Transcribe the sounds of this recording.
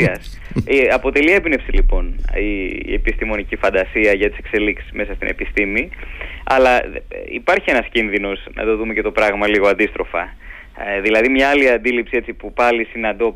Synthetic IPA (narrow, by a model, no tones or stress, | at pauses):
ɐs | ɐpo̞t̪e̞lie̞bne̞fsilipo̞niepist̪imo̞nicifɐnd̪ɐsiɐʝɐt̪i̥se̞kse̞liksi̥zme̞sɐst̪ḭnepist̪imiɐ̰lɐḭpɐɾçienɐscinðino̞snɐ̰t̪o̞ðumece̞t̪opɾɐɣmɐliɣo̞ɐnd̪ist̪ɾo̞fɐ̰ | ðilɐðimɲɐɐliɐnd̪ilipsie̞t͡sipupɐlisinɐnd̪o̞